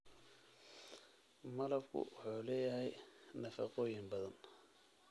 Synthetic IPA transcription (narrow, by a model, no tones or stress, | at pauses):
mɐlɐbkʰʊ̰wʊħuːlɛːjɐɦɛjnɐfɑ̰qɔːjɪmbɐðɐn